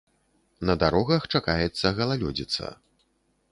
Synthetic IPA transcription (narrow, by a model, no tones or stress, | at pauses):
nɐd̪aɾɔɣɐxt͡ʂakajɛt̪sːɐɣɐlˠalʲɔd͡zʲit̪sɐ̰